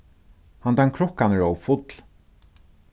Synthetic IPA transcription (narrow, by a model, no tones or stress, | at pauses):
hand̪aŋkʰɾɔhkanəɹowfʊt̪l